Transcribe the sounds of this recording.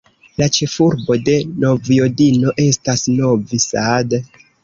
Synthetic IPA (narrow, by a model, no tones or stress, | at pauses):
lat͡ʃe̞fuɾbo̞de̞no̞vjodino̞ʔe̞stasno̞visad